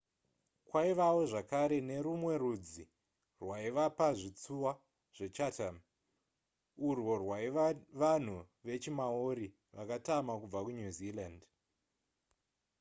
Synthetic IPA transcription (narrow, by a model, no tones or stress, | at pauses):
kwaiʋawo̞ʐakaɾe̞ne̞ɾumwe̞rud͡zi | rwaiʋapaʐit͡suwa | ʐ̥et͡ʃatam | urwo̞rwaʋan̤u | ʋe̞t͡ʃimaoɾi | ʋakatamakub͡vakunuziland